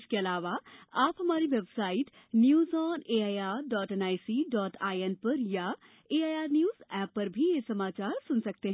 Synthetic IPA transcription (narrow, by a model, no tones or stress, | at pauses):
ʃkeɐlaːʋaaːpɦɐmaːɾiʋebsaːɪʈ | njuːzɔːneːaːjaːɖɔːʈɛnaːjsiɖɔːʈʰaːjɛnpɐɾja | eːaːjaːɾnjuːzɛːpːɐɾbʱijesɐmaːt͡ʃaːɾsʊnsɐk̚t̪eɦ